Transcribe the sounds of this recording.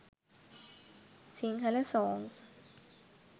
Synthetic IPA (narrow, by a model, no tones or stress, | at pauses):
siŋkʰalɛsɔːns